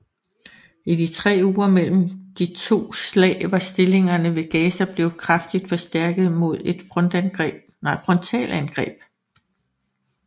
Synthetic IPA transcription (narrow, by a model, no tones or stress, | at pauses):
id̥it͡sʰʁɛ̰ːuːɐmel̰m̩d̥it͡sʰo̝̰ːslɛ̰ːɪʋɑ̈sd̥e̝le̝ŋɐnəʋe̝ɡ̥ɛːsɐb̥le̝ːʊkʰʁɑfd̥id̥fɒ̽sd̥æɐɡ̥ð̞̩ˠmo̝ð̞ˠe̝d̥fʁɔ̽nd̥ænɡ̥ʁɛb̥̚nɑɪfʁɔ̽nt͡sʰɛ̰ːlænɡ̥ʁɛ̰ːb̥